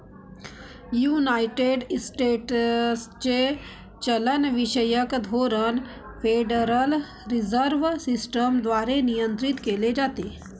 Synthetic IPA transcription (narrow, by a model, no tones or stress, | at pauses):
junaiʈeɖsʈeʈst͡ɕe | t͡ʃələnʋiʃəjəkd̪ʱoɾən | fʰeɖəɾəl | ɾizəɾʋsisʈəmd̪ʋaːɾenijənt̪ɾit̪keled͡ʒaːt̪e